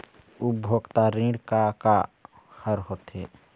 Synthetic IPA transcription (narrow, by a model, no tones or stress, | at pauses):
ubʱoːɡt̪aɾĩːɽkaka | həɾɦoːt̪e